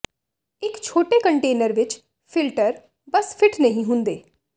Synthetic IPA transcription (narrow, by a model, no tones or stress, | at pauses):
ɪkt͡ʃʰoːʈekəɳʈeːnəɾʋɪt͡ʃ | pʰɪlʈəɾ | bəspʰɪʈʰnəɦĩɦʊ̃nd̪eː